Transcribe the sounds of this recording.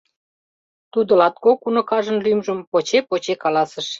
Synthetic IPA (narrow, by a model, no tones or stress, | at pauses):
t̪ud̪ŏlɑt̪̚kokunŏkɑʒə̆nlymʒə̆mpot͡ɕepot͡ɕekɑlɑsə̆ʃ